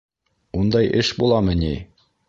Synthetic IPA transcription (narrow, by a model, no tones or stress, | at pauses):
und̪ɑjʔɘʃbulˠɑmɤni